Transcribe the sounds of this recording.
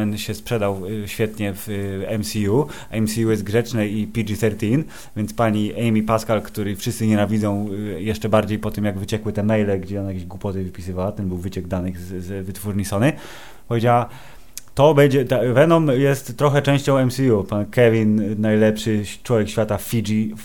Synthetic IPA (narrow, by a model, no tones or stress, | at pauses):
ɛnɕɛspʂɛd̪awɕfʲjɛt̪ɲɛvɛmsʲiju | ɛmsʲijujɛst̪̚ɡʐɛt͡ʂnɛipʲid͡ʐiθɛɾt̪ʲin | vʲjɛnt̪spaɲiʔɛjmʲipaskalkt̪uɾɘfʂɨst̪sɘɲɛnavʲid̪zɔ̃w̃jɛʂt͡ʂɛbaɾd͡ʑejpɔt̪ɘmjaɡvɘt͡ɕɛkwɘt̪ɛmɛjlɛɡd͡ʑɛɔnajakʲeʑɡwupɔt̪ɛvɘpʲi̥sɨvawat̪ɛnbɘwvɘt͡ɕɛɡd̪anɘɣzzvɘt̪fuɾɲisɔnɘ | pɔvʲjed͡ʑawa | t̪ɔbɛɲd͡ʑɛt̪avɛnɔmjɛst̪ːɾɔxɛt͡ʂɛ̃w̃ɕt͡ɕɔ̃w̃ɛmsʲijupankɛvʲinnajlɛpʂɘt͡ʂwɔvʲjɛkɕfʲat̪afʲid͡ʐi